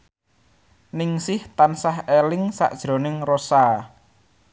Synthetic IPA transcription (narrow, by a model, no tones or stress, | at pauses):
nɪŋsɪht̪ansaɦelɪŋsa̰ʔd̥ʒ̥ɾo̤nɪŋrosa